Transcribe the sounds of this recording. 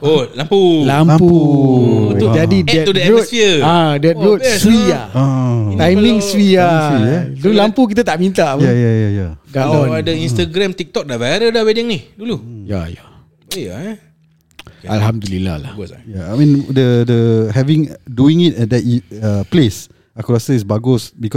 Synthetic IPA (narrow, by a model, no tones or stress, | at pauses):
olampulampu | d͡ʒadidɛt̪udotfiəadɛt̪̚ɾot̪swiaat̪ajmĩŋswijaidulampuk̬it̪̬at̪aʔmĩnt̪aʔjajajajadadɔadəĩnst̪aɡɾɛ̃mt̪ik̚t̪ɔk̚dabaɾədawɛdəŋnihduluja̰ja | ea | alɦamdulila̰hla̰hjaamĩndədəɦɛvĩŋduĩŋit̚ɛdɛtiaples | akuɾasəisbaɡʊsbikɔ